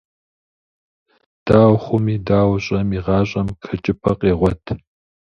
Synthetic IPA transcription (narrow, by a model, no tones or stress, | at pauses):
d̥aːwχʷʊmiːdaːwɕʼɐmiːʁɑːɕʼɐmkʰɐt͡ʃʼɪpʰɐqʼeːʁʷɔtʰ